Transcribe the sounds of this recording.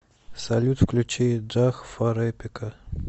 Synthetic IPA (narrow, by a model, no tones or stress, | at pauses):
sɐlʲut̪fklʲut͡ɕej̚d͡ʒaxfɐɾɛpʲɪkə